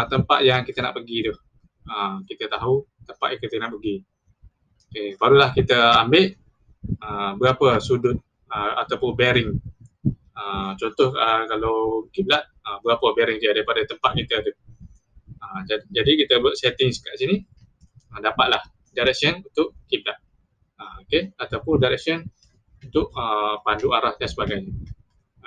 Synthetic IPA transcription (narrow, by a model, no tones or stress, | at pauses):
t̪əmpa̰t̪̚jaŋkit̪əna̰ʔpəɡit̪ʊh | əkit̪ət̪aɦu | t̪əmpaʔ̪̚jãŋkit̪ənaʔpəɡi | okebaɾulahkit̪əambɪʔ | əbəɡapəsudʊt̪̚ | əa̰t̪awpʊnbɛɾɪŋ | ət͡ʃɔnt̪ɔhəkalawkiblat̪̚əbəɡapəbɛɾɪŋt̪uadaɾipadat̪əmpat̪̚kit̪ət̪u | əmd͡ʒadikit̪əbaʔsɛt̪ɪŋsə̥kaʔsini | ədapat̪̚lah | daɾɛk̚sənunt̪ʊʔkiʔ̚laʔ | əokeat̪awpʊndajɾɛk̚siən | unt̪ʊʔəpanduaɾahdansəbaɡajɲə